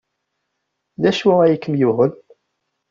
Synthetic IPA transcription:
ðæʃwææjəkːəmjuhəl

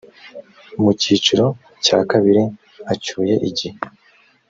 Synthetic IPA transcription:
muciːt͡ʃuɾo̞ | caːkaβiɾi | at͡ʃuːje̞ʔiɟihe

